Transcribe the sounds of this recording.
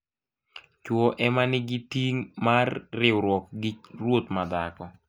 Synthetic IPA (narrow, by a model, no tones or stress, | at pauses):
t͡ʃwɔʔɛmanɪɡɪtiŋmarːɪwɾwɔkɡɪɾwot̪mad̪a̰kɔ